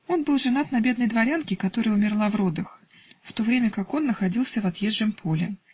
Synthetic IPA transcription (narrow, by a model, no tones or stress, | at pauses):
o̞nbɨlˠʐɨnat̪nɐbʲe̞d̪̚nəjd̪vɐɾʲankʲɪkɐt̪o̞ɾəjəʊmʲɪrlˠavrod̪əx | ft̪o̞vɾʲemʲəkako̞nːəxɐdʲilˠsʲəvɐt̪jeʐːəmpʰo̞lʲɪ̰